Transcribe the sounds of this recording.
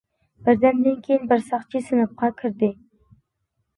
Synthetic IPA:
b̥ɪɾd̪ænd̪ɪnkʲʰejɪnbɪɾsɑχt͡ʃʰisɨnɨp̚qɑkʲʰɪɾd̪ɪ

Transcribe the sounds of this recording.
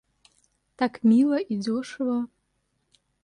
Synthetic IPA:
tʰakʰmilɐʔid͡zoʂɨwɐ

